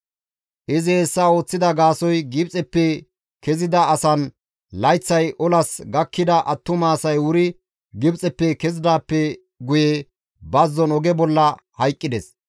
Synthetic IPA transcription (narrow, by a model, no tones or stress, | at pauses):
ʔɪzɛːsːɐo̞ːt͡sːɪd̪ɐɡaːsɔjɡɪbt͡sʼɛpːɛ | kɛzɪd̪ɐːsɐn | lɐjt͡sːɐjʔɔlɐsɡɐkːɪd̪ɐʔɐt̪ːʊmaːsɐjwʊɾɪ | ɡɪbt͡sʼɛpːɛkɛzɪd̪aːpːɛ | ɡʊjɛ | bɐzːɔnɔɡɛbɔlːɐ | hɐjkʼːɪd̪ɛs